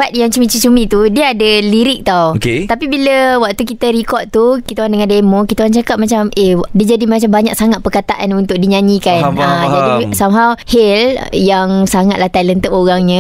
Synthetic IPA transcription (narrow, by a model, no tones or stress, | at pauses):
fat̪̚jaŋt͡ʃəmĩt͡ʃisumĩt̪udiəadəliɾɪk̚t̪awket̪apibiləwak̚t̪ukit̪əɾikɔʔ̪̚t̪ukit̪aandəŋãndemõkit̪aoaŋt͡ʃakap̚mat͡ʃamediəd͡ʒadimat͡ʃambaɲak̚saŋaʔ̪̚pərkat̪aʔanunt̪ʊk̚diɲãɲĩkanad͡ʒadisamɦawheljaŋsaŋat̪laht̪alənt̪əpoɣaŋɲə̃